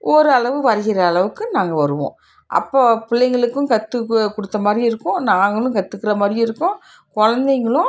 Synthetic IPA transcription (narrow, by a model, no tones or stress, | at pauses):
ʔɔɾɯɐɭɐʋɯʋɐɾɐɣɪɾɐːɭɐʋɯkːɯnaːŋɡɐʋɐɾɯʋõ̰ː | ʔɐ̰pːoːpɪɭːɐɪŋɡɐɭɯkːɯ̃kɐt̪ːɯkːʊɽɯt̪ːɐmaːd̪ɾiɪɾɯkːʊ̃naːŋɡɐɭʊ̃kɐt̪ːɯkːɪɾɐmaːd̪ɾiɪɾɯkːõ | kɔɻɐnd̪ɐɪŋɡɐɭʊ̃